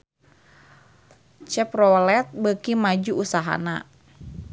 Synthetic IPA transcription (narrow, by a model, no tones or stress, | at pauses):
t͡ʃɛprɔlɛt̪̚bəkimad͡ʒuusaɦa̰na̰